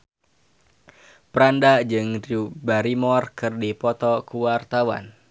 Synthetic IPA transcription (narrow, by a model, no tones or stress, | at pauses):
pəɾandad͡ʒɨŋribaɾimɔrkɨrdipɔt̪ɔkuwart̪awa̰n